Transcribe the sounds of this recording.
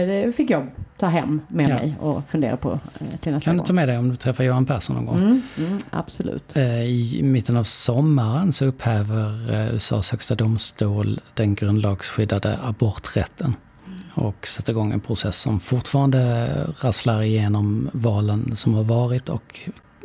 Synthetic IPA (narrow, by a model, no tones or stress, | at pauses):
d̪ɛfɪkːjɑːɡt̪ʰɑːɦɛ̰mːɛmɛ̰jɔ̰fɵnd̪ḛːɾapʰɔ̰t̪ʰɪnɛsk̪ʰand̪ɵɑːmɛd̪ɛɪɔmd̪ɵt̪ʰɾɛfːaɾjʊːhanpʰæʂɔnːɔ̰nɡɔ̰ŋʔa̰b̥sʊlʉ̰ːt̪ɪmɪt̪ːənavsɔmːaɾənsɔɵpːhɛːvəɾʏ̰ːsɑ̰ːshœkst̪ad̪ʊmst̪uːld̪̥ɛnɡɾɵnd̪lɑːɡsɧʏd̪ːad̪ə̰abɔɾt̪ɾɛ̰t̪ʰːən | ɔ̰ksɛt̪ːəɾɪɡɔŋːɛ̰npʰɾʊsɛsːɔ̰mfʊʈfɑːɾand̪əɾaslaɾɪjeːnɔmvɑːlənsɔmhaɾvɑːɾɪt̪ɔ̰k